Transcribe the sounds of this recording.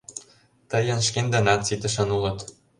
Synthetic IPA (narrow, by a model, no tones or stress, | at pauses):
t̪ɤ̆jɤ̆nʃkend̪ɤ̆nɑt̪t͡sit̪ə̆ʃɤ̆nulɤ̆t̪